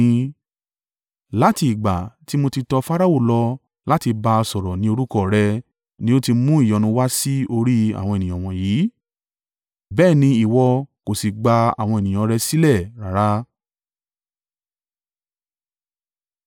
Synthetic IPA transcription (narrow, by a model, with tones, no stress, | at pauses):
la˦ti˧i˨ɡ͡ba̰˨ti˦mo˧ti˧tɔ˧fa˦ɾa˦˨wo˦˨lɔ˧ | la˦ti˧ba˧sɔ˨ɾɔ˨nĩ˨˦o˧ɾu˦kɔ˦˨ɾɛ˧ | nĩ˦o˦ti˧mũ˦i˦˨jɔ˨˧nũ˧wa˦si˦o˧ɾi˦a̰˨w̃ɔ̃˧e˨nĩ˨j̃ɔ̃˨w̃ɔ̃˨jiː˨˦ | bɛː˦˨nĩ˧i˨wɔ˧ko˨si˨ɡ͡ba˧a̰˨w̃ɔ̃˧e˨nĩ˨j̃ɔ̃˧ɾɛ˧si˦lɛ˦˨ɾa˨ɾa˦